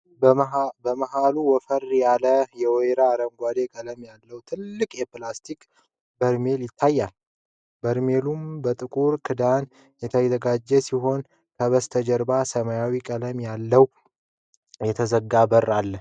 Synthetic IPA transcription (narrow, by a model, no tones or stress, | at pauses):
bəməhaluwɔfərjaləjɛwɔjɾaːɾəmɡʷad̪e̞kʼələmjalːəwt̪ʰɨlːɨkʼjɛplast̪ʰikʼ | bəɾme̞ljɪt̪ʰːajːal | bəɾme̞lumbət̪ʼɨkʼuɾkʰɨd̪an | jɛt̪ʰəjzəɡad͡ʒːɛsiɦo̞n | kʰəβəst̪ʰəd͡ʒəɾbasəmajawikʼələmjalːəw | jɛt̪ʰəzəɡːabərːalːə